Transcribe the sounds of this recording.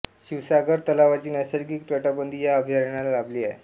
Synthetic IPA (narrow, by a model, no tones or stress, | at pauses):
ɕiʋsaɡəɾt̪əlaʋat͡ɕiːnajsəɾɡik̚t̪ʋəʈabənd̪iːjaəbʱjaɾəɳ̃alalabliːae